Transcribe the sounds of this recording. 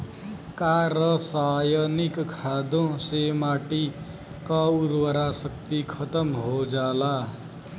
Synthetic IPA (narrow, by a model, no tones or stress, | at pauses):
kaɾəsajənikkʰad̪õsemaːʈi | kauɾwəɾasəkt̪ikʰət̪əmɦod͡ʒaːla